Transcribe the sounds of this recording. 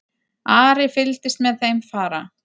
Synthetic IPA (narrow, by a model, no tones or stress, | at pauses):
aːɾɪfɪlt̪ɪst̪mɛðθejmfaːɾa